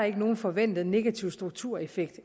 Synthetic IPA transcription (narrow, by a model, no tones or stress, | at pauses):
ɑ̈e̝ɡ̥əno̝ːn̩fɒ̽ʋen̰d̥ð̞̩ˠne̝ɡ̥æt͡sʰiʊ̰sd̥ʁuɡ̥̚t͡sʰuɐ̰efeɡ̥d̥